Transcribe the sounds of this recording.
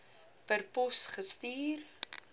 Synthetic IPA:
pərpɔsχəstiːr

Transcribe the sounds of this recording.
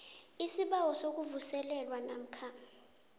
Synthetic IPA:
isiɓawɔsok̬uvusɛlɛlwanam̩kʰa

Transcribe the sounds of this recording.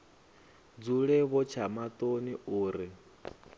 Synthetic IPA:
d͡zuɺɛβɔt͡ʃʰamat̪ʼoniuːɾi

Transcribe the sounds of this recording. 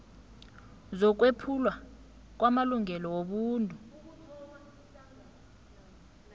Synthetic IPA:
zɔk̬wepʰulwa | k̬wamaluŋɛlɔwoɓuːntʼu

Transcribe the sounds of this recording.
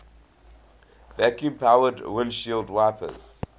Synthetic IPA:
vækjũpʰaʊədwɪnʃildwaɪpʰə̰z̥

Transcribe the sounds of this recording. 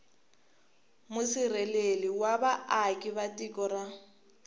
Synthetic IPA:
mʊsɪrɛleliwabaʔakʼɪβatʼikʼɔra

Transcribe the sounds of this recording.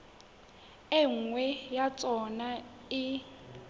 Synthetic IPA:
eŋ̩ŋwɛjat͡sʼɔna | ɪ

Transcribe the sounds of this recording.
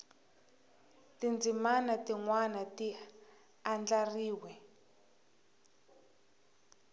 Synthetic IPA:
tind͡zimanatiŋwanati | and͡ɮariːwɛ

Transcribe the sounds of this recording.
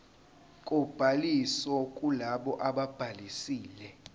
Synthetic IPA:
kʼɔb̥ʱalisɔkʼulaɓɔʔaɓab̥ʱalisiːlɛ

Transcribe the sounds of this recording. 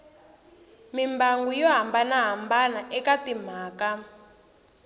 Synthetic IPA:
mimbaŋɡujɔɦambanaɦambanaʔɛkatim̤aːka

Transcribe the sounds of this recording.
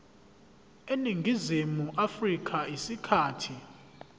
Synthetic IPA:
eniŋɡʱizimuʔafrikʰʼaisikʰaːtʰi

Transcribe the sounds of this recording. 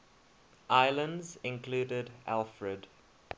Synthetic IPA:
ʔaɪlə̃ndzɪ̃nkʰluːdədʔa̰lˠfɹəd

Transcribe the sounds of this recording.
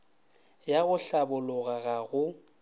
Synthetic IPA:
jaɣʊɬabʊlʊɣaɣaɣʊ

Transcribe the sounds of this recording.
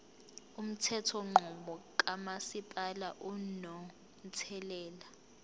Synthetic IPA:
um̩tʰɛtʰɔŋ͡ǃʱɔɓɔkʼamasipʼalaʔunɔ | nt͡sʰɛlɛːla

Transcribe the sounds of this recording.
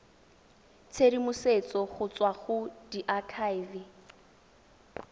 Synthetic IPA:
t͡sʰedimʊset͡sɔχʊt͡swaɣʊdiʔakʰaivɪ

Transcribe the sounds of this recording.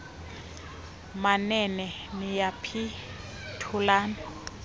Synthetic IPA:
manɛnɛ | nijapʰi | tʰulaːna

